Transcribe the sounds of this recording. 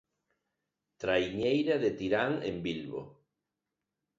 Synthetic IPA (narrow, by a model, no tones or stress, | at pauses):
t̪ɾajɲejɾaðet̪iɾaŋḛmbilβo̰